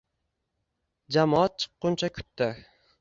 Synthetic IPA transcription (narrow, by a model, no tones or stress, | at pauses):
d͡ʒamɒat̪̚t͡ʃʰɨ̥qːʊnt͡ʃʰakʰʊ̥t̪ːɪ